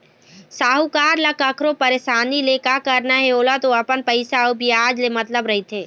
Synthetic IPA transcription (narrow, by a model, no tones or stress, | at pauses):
saːɦukaːɾləkəkʰɾopəɾeʃaːnileːkakəɾnaɦeoːlat̪oɐpənpəɪsaobʱiaːd͡ʒlemɐt̪ləbɾɐɦit̪ʰeː